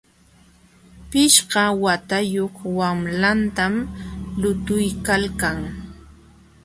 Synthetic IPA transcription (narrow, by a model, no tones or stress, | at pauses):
pɪʃɢɑwat̪ajoχwamlant̪amlʊt̪ʊjkalkaŋ